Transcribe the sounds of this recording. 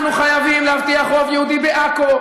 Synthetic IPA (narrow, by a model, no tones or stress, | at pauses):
nuχajavimlehavt̪iaχʁo̞vjehud̪ibeʔako